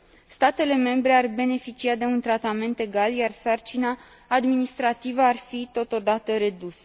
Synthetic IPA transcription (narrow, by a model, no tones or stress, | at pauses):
st̪at̪e̞le̞me̞mbɾe̞arbe̞ne̞fit͡ʃiad̪e̞unt̪ɾat̪ame̞nt̪e̞ɡaljarsart͡ʃinaː | d̪minist̪ɾat̪ivəarfit̪o̞t̪o̞d̪at̪əɾe̞d̪usə̥